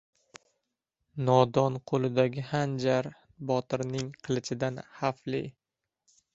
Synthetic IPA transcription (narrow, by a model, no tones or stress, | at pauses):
nɒd̪ɒnqʰolˠɪd̪aɡʲɪhand͡ʒaɾ | bɒt̪ɪɾnɪŋqʰɨlˠɪt͡ʃʰɪd̪anhafli